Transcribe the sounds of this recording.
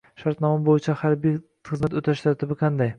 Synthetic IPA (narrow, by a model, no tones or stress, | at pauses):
ʃaɾt̪nɒmabojɪt͡ʃʰahaɾbij | χɨzmat̪ot̪ʰaʃt̪ʰɒɾt̪ʰɪbɪqʰɑnd̪aj